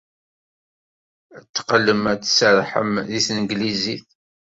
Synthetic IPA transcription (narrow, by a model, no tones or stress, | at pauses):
ət͡s̪ːqəlːəmæt͡sːsəɾˤħə̰mðiθnəɡliziθ